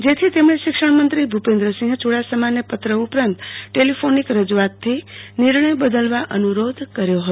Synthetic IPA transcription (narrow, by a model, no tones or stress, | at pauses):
d͡ʒet̪ʰit̪emɽeʃikʂəɽ̃mənt̪ɾibʱupend̪ɾəsĩŋɡt͡ʃuɽasəmanjepət̪ɾəupɾənt̪ʈelipʰonikɾəd͡ʒuat̪ʰːiniɾɳəjbəd̪əlʋaʔənuɾod̪ʱkəɾjoɦət̪o